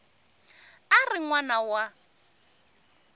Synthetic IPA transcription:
arɪŋwanawa

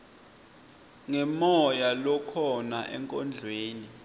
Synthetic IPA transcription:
ŋɛmɔjalɔkʰɔnaʔɛ̰ŋkʼɔnd͡ɮʱweːni

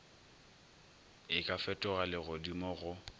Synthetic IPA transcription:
ɪkʼafɛtʼʊɣalɪɣʊdimɔɣʊ

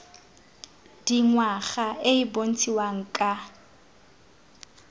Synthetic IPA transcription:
d̥iŋwaχaʔeibon̩t͡sʼiwaŋ̩kʼa

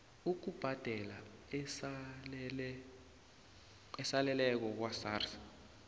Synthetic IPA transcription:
uk̬ub̥ʱad̥ʱɛlas | ɛsalɛlɛk̬ɔk̬wasaːrsḁ

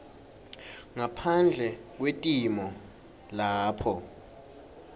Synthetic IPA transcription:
ŋapʰand͡ɮʱɛk̬wetʼimɔ | laːpʰɔ

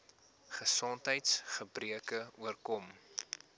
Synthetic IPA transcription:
χəsɔntɦəjtsχəbriəkəuərkɔm

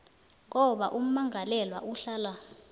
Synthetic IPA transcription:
ŋɔɓa̰ʔum̩maŋʱalɛlwa̰ʔuɬaːla

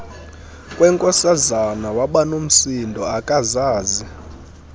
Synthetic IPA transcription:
kʼwɛŋkʼɔsazanawaɓanum̩sindʱɔakʼazaːzi

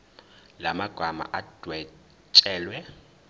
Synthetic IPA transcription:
lamaɡ̥ʱama̰ʔad̥ʱwɛ | t͡ʃʼɛːlwɛ

